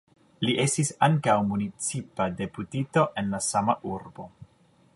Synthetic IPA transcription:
liʔe̞stisaŋkawmunit͡sipade̞putito̞ʔe̞nlasamaʔuɾbo̞

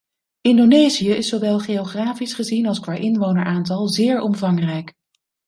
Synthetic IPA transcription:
ɪndonejzijəɪsowʋɛlˠχejoχraːfisχəzinɑlˠskʋaːɹʔɪnʋownəɹʔaːntɑlˠzɪːɹɔmvɑŋrɛjk

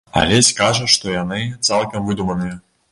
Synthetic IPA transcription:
a̰lʲɛsʲkaʐɐʂt̪ɔjanɨt̪salˠkɐmvɨd̪umɐnɨjɐ

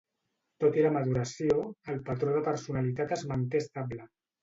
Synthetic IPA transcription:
t̪ot̪iɾaməðuɾəsioəlpət̪ɾoðəpəɾsunalit̪at̪əzmənt̪est̪ablə

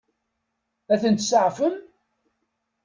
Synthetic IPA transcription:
æθənt̪səʕfəm

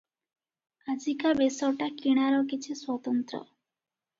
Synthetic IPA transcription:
ad͡ʒikabesɔʈakiɽ̃aɾɔkit͡ʃʰiswɔt̪ɔnt̪ɾɔ̰

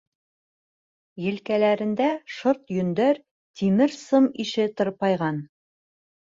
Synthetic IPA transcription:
jɘ̆lkælæɾɘ̆nd̪æʃoɾt̪jɵ̆nd̪ɘɾ | t̪imɘɾsɤmiʃɘt̪oɾpɑjʁɑn

